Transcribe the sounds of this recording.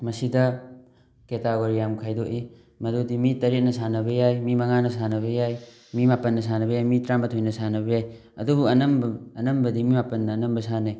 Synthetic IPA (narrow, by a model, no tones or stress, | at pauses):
mɐsidɐ | ketaɡoɾijamkʰajdoʔi | mɐdudimitɐɾet̚nɐsanɐbɐjajmimɐŋanɐsanɐβɐjaj | mimapɐnːɐs̬anɐbɐjajmitɾambɐtʰojnɐsanɐbɐjaj | ɐ̰dubuɐnɐmbɐnɐmbɐdimimapɐnːɐːnɐmbɐsane